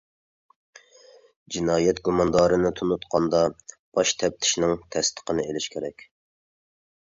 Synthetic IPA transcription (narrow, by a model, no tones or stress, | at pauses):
d͡ʒinɑːjɛt̪̚ɡumɑnd̪ɑːɾɨnɪt̪ʰunut̪qʰɑnd̪ɑ | b̥ɑʃt̪ʰɛp̚t̪ʰɪ̥ʃnɪŋt̪ʰɛst̪ʰə̥qənɨelɪʃkʲʰeɾɛkʲ